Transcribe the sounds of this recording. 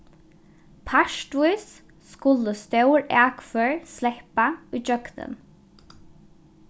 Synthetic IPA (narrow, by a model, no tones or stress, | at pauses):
pʰaʃʈ̪vujs | skʊlːəst̪œwɹæːkfœːɹslɛhpaujd͡ʒœɡnə̰n